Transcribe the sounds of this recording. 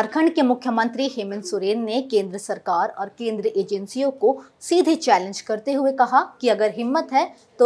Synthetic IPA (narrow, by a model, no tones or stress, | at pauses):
ɐɾkʰəɳɖkemʊkʰjəmə̃nt̪ɾiɦeːmɪ̃nsʊɾeːnːekẽːnd̪ɾəsɐɾkaːɾɔːɾkẽːnd̪ɾəʔeːd͡ʒə̃nsijõko | siːd̪ʱit͡ʃɛːlɪ̃nd͡ʒkɐɾt̪eɦuekɐɦakiɐɡəɾɦɪmːət̪ɦɛː | t̪o